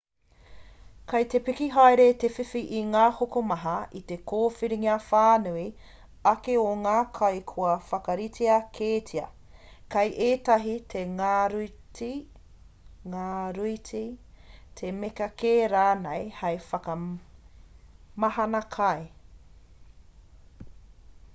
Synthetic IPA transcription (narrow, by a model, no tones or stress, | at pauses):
kɐjt̪epikiɦaeɾet̪efifiʔiŋaːhokomɐɦɐit̪ekʰoːfiɾiŋiɐfaːnui | ɐkeoŋaːkʰɐjkʰoɐfɐkɐɾitʰeɐkʰeːtʰiɐ̰ | kɐjʔeːtɐɦitʰeŋaɾti | ŋaːɾuitʰit̪ʰemekɐkeːɾaːnejhɐjfɐkɐ | mɐɦɐnɐkʰɐe